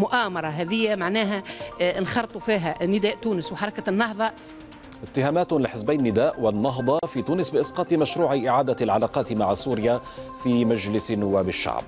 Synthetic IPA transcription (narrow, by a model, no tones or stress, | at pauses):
mʊʔaːmɑɾˤɑɦɛːðɪjːamaʕnæːɦænxɑɾt̪ˤufiːɦænɪd̪æːʔt̪uːnɪswħɑɾˤɑkanːɑɦðˤɑ | ʔɪt̪ːɪhaːmaːt̪lɪħɪsbajnɪnːɪd̪aːʔwɪnːɑɦd̪ˤɑfiːt̪uːnɪsbɪʔɪsqɑːt̪ˤmaʃɾuːʕiʔɪʕaːd̪alʕalaːqɑːt̪maʕsuːɾɪjafiːmad͡ʒlɪsnːʊwːaːbɪʃːa̰ʕb̚